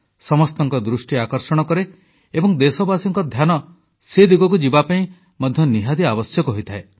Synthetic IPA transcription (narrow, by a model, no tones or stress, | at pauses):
sɔmɔst̪ɔŋkɔd̪ɾusʈiakɔɾsɔɽ̃ɔkɔɾe | ebɔŋd̪esɔbasɔŋkɔd̪ʱjanɔ | sed̪uɡɔkud͡ʒibapaĩ | mɔd̪ʱjɔniɦad̪iabɔsjɔkɔɦojt̪ʰae